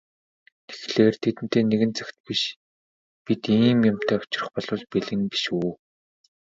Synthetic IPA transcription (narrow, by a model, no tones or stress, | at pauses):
t̪e̥xɮeːrt̪ʰet̪ɘ̆n̥t̪eːneɣɘ̆nt͡sakʲt̪̚piʃ | pit̪iːmjamt̪ʰæːʊ̥t͡ɕɪ̆rə̆χpɔɮʊːɮpeɮɘ̆ŋpi̥ʃuː